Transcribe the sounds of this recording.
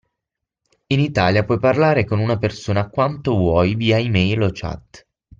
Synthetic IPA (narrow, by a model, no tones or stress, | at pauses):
init̪aːljapwɔjparlaːɾekonunapersoːnaːkwant̪ovwɔjviːaimɛjlot͡ʃa̰t̪ː